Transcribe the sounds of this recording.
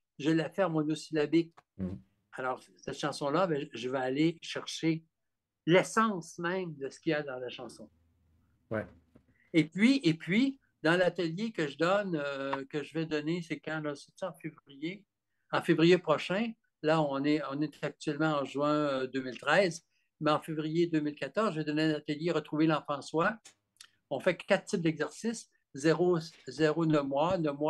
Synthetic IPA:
ʒəlːafɛmɔnosilabɪk̚ | alɔːʁ | sɛt̪ʃɑ̃sɔ̃labɛ̃ʒəvaːleʃɛʁʃe | lɛsɑ̃smɛ̃md̪əsə̥kʲiad̪ɑ̃laʃɑ̃sɔ̃ | wɛ | epɥiepʰɥi | d̪ɑ̃lat̪əljekəʒəd̪ɔnøkəʒəvɛd̪ɔnesekãlɔset̪iɑ̃fevʁije | ɑ̃fevʁijepʁɔʃɛ̃ | laɔ̃nɛɔ̃net̪ɛak̚t̪ɥɛlmɑ̃ɑ̃ʒɥɛ̃d̪øːmilt̪ʁɛz | mɛɑ̃fevʁijed̪øːmilkat̪ɔʁzʒəvɛd̪ɔneɛ̃nat̪əljeʁət̪ʁuvelɑ̃fɑ̃swa | ɔ̃fɛkat̪̚sɪp̚d̪ɛɡzɛʁsis | zeʁozeʁonəmwanəmwa

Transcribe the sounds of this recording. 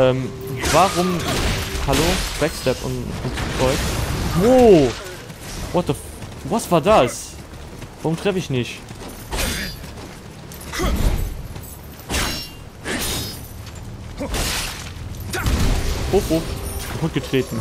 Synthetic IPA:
ʔɛːm | vaʁʊm | haloːb̥ɛkstɛpʊ̰nʊnfʁ̥ɔʏkvoː | vɔt̚əf | vasv̥aːɐdas | vaʁʊmtʁ̥ɛfəɪçnɪçt | hofofkʰapʰʊt̚ɡ̥ətʁ̥eːtn̩

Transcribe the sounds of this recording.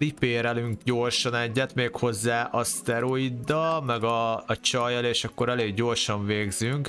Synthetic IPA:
ipeːɾɛlyŋkɟo̞rʃɒnɛɟːɛt̪meːkho̞zːaːʔɒst̪ɛɾo̞id̪ːɒmɛɡɒːt͡ʃɒjɒleːʃɒkːo̞ɾɛleːɡɟo̞rʃɒɱveːɡzyŋk

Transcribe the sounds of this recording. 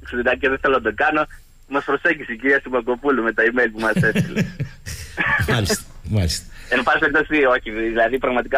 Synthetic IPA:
ksidɐceðeθeloɐnd̪okɐno̞ | mɐspɾo̞seɲɟisiciɾiɐst̪umɐko̞pulume̞t̪ɐimejlpumɐse̞st̪ile | ɐlimalist̪enopɐst̪eɾkt̪ɐksioçiðilɐðipɾɐɣmɐt̪ikɐ

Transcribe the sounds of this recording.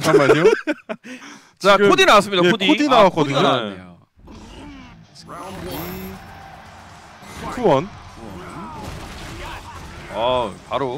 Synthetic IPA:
amaɲo | t͡ɕaɯkʰodinawas͈ɯmɲidaeodiokdinawak͈ʌdɯɲojo | kʰuwʌnn | apaɾo

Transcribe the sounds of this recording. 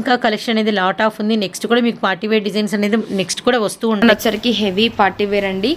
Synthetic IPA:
ŋkaːkɐlekʂɐnɐne̞ːd̪ilaːʈaːpund̪ineksʈkuːɽaːmiːkupaːʈiʋeːɖid͡ʒɐjnsɐne̞ːd̪ine̞ksʈkuːɽaːʋɐst̪uːuɳːanɐt͡ʃːɐɾikiɦeʋipaːɾʈːiʋeːɾɐɳɖi

